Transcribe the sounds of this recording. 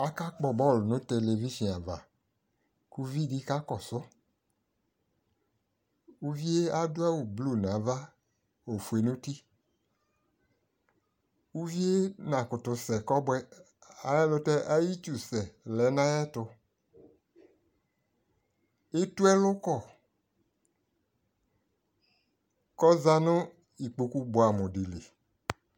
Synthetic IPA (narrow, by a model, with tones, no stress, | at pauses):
a˦ka˦k͡pɔ˨bɔ˦˨lnʊ̃˦te˨le˨vi˦ʃĩ˨a˨va̰˨ | ku˦vi˦˨di˦ka˦kɔ˨sʊ˦ | u˦vi˦e˦a˦dʊ˦a˦wu˨blu˦˨nã˨˦va˦ | o˨fu˨e˨˦nʊ̃˦ti˦ | u˦vi˦e˦nã˨kʊ˨tʊ˨sɛ˨kɔ˦bwɛ˦ | a˨jɛ˦lʊ˦tɛ˦ʔa˦ji˦t͡ʃu˨sɛ˨lɛ˨˦nã˦jɛ˦tʊ˧ | e˦tu˦ɛ˦lʊ˦kɔ˦˨ | kɔ˦za˦nʊ̃˦ | i˨k͡po˨ku˦bo˨a˨mʊ̃˨dɪ˨le˨